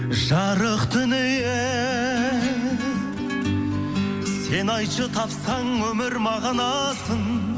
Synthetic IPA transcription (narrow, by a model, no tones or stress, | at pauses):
ʒɑɾəqt̪ʰʏneje | se̞nɑjʃət̪ʰɑpsɑɴwɵmɪɾmɑʁɑnɑsəɴ